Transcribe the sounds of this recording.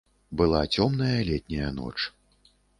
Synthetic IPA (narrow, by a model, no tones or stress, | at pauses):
bɨlˠat͡sʲɔmnɐjɐlʲɛt̪ʲnʲɐjɐnɔ̰t͡ʂ